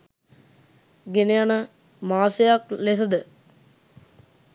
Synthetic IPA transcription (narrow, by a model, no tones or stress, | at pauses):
ɡenejanə | maːsejaklesɐd̪ə